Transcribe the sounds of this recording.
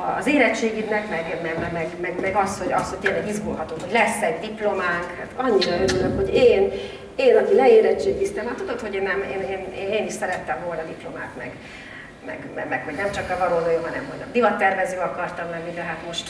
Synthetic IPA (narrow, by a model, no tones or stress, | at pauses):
ɒːzeːɾɛt͡ʃːeːɡid̪nɛkmɛɡmɛmɛmɛɡmɛɡmɛɡɒsho̞ɟɒsho̞c̚ʲt̪eːnlːɛɡizɡolɦɒt̪oːɦo̞ɟlɛsːɛɟd̪iplo̞maːŋkhat̪ɒɲːiɾɒøɾylømho̞ɟeːn | eːnɒkilɛeːɾɛt͡ʃːeːk̪ist̪emaːt̪ud̪o̞t̪ho̞ɟeːnːɛmḛːneːneːneːniʃsɛɾɛt̪ːɛmvo̞lnɒd̪iplo̞maːt̪mɛ̰ɡ | mɛ̰ɡmɛ̰mɛkho̞ɟnɛmt͡ʃɒkːɛvɒɾoːd̪ojoɦɒnɛmɦoɟ̰d̪ivɒt̪ːɛrvɛzøːɒkɒrt̪ɒmlɛnnid̪ɛɦat̪mo̞ʃt̪